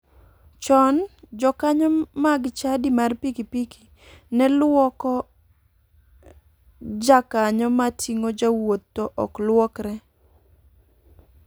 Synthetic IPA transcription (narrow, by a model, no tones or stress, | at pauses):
t͡ʃɔnd͡ʒɔkaɲɔmaɡt͡ʃadimarpikipiki | nɛlwɔkɔ | d͡ʒakaɲɔmatʰiŋod͡ʒawotːoʔɔklwɔkɾɛ